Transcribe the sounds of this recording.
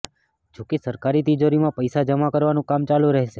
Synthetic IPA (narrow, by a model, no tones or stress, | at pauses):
d͡ʒokesəɾkaɾit̪id͡ʒoɾimãpəjsad͡ʒəmakəɾʋanũkamt͡ʃalũɾəɦeʃe